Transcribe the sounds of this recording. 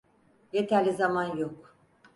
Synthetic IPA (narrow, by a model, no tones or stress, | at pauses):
jet̪ʰæɾlʲizamanjok